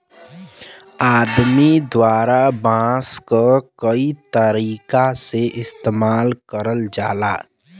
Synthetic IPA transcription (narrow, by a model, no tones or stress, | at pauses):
aːd̪mid̪waːɾabãːskəkəit̪əɾiːkaseʔɪst̪eːmaːlkəɾəld͡ʒaːlaː